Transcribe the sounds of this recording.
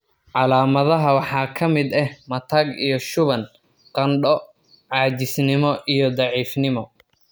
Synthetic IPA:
ʕɑlaːmɐðɐɦɐwɑħɑːkʰɐmɪd̪ɛhmɐt̪ʰɐɡijɞʃʊβɐn | qɐnɖɔ | ʕɑːt͡ʃɪsnɪmɔʔijɔd̪ɑʕiːfnɪmɔ

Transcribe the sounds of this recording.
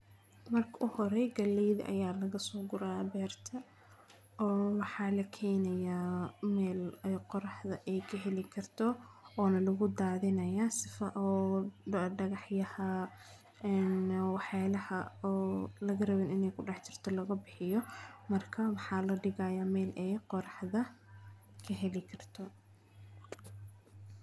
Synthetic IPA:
mɐrkʰɐʔʊhɔɾɛjɡɐlɛjðɐ̰ʔɐ̰jaːlɐɣɐsɔːɡʊɾaːbɛːrt̪ʰɐ | ɔːwɑħɑːlɐkʰɛjnɐjaːmɛːlɛqɔɾɑħðɐʔɛjkʰɐɦɛlɪkʰɐrt̪ʰɔɔːnɐlɐɣʊd̪aːðɪnɐjaːsɪfɐʔɔː | ɖɐɣɑħjɐhɐ | ɛːnwɑħjaːlɐhɐɔːlɐɣɐrɐβɛnɪnɛjkʰʊɖɑħt͡ʃɪr̥t̪ʰɔlɐɣɐbɪħɪjɔmɐrkʰɐwɑħɑːlɐɖɪɣɐjaːmɛːlʔɛjqɔɾɑħðɐ | kʰɐɦɛlɪkʰɐrt̪ʰɔ

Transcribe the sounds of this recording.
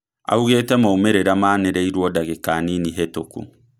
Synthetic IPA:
a̰uɣeːtɛmaumeɾeɾamaːneɾɛiɾwɔdaɣekaniniɦetokṵ

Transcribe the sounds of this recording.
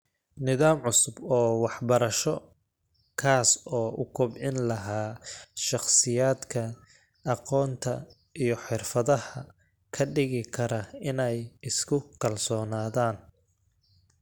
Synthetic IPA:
nɪðaːmʕʊsʊbɔːwɑħbɐɾɐʃɔ | kʰaːsɔːʔʊkʰʊbʕɪnlɐɦaːʃɑχsɪjaːd̪kʰɐ | ʔɑqɔːnt̪ʰɐ̰ | ijɞħɪrfɐðɐhɐ | kʰɐɖɪɣɪkʰɐɾɐɪnɛjɪskʰʊkʰɐlsɔːnaːðaːn

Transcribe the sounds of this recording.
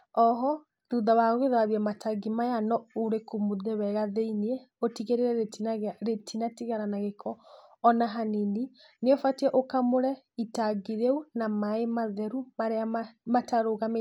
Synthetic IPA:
ɔɦɔ | ðuðawaɣɣeðaβiɛmatʰaɡimajanɔoɾekomuðɛwɛɣaðeiniɛotiɣeɾeɾɛeɾetʰinatiɣaɾanaɣekʰɔː | naɦanini | neofatiɛʔokamoɾɛitaɡiɾeunamaemaðɛɾumaɾeamataɾoɣame

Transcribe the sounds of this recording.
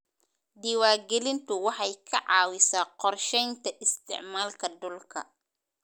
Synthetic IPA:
d̪ɪwaːɡɛlɪnt̪ʰʊwɑħɑjkʰɐʕɑːwɪsaːqɔrʃɛjnt̪ʰɐʔɪst̪ʰɪ̰ʕmaːlkʰɐd̪ʊlkʰɐ̰

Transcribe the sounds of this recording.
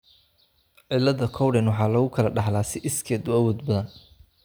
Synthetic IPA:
ʕɪlːɐðɐkʰɔwɽɛnwɑħɑːlɐɣʊkʰɐlɐɖɑħlaːsɪʔɪskʰɛːd̪ʊɐwɔːd̪bɐðɐn

